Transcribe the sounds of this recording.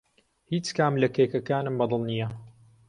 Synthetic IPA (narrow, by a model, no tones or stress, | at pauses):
hiːt͡ʃkaːmlɐkeːkɐkaːnɨmbɑd̪ˤɨlˠnijɐ